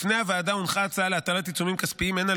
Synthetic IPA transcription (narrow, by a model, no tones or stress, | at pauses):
fnehavaːdaunχaːt͡saaleat̪alat̪it͡sumimkaspiimena